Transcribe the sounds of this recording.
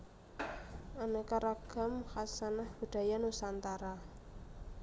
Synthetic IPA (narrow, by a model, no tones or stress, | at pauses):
anekaɾaɡ̥a̤mxasanahb̥ṳɖ̪̥a̤janusant̪aɾa